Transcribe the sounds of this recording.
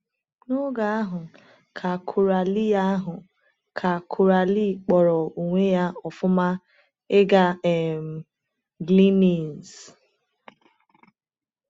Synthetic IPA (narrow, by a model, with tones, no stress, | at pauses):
no˦ɡa˨a˦ɦʊ˨ | kʰa˨kʰu˨ɾa˨li˦ja˦a˦ɦʊ˨ | kʰa˨kʰu˨ɾa˨li˦˨k͡pɔ˨ɾɔ˨u˨ŋʷe˦ja˦ɔ˨fʊ˦ma˦ | ɪ˦ɡa˦ɛ˨m̩˨ | ɡli˦ni˨n˨z